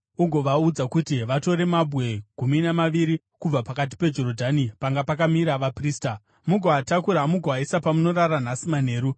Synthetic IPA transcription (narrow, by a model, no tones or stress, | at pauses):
uɡʱo̞ʋaud͡zakutiʋato̞ɾe̞mabʱwe̞ɡ̥ʱuminamaʋiɾi | kub͡vapakat̬i̥pe̞d͡ʒo̞ɾodʱanipaŋɡapakamiɾaʋapriːsta | muɡʱaːtakuɾamuɡʱaisapamuno̞raran̤asiman̤e̞ːɾu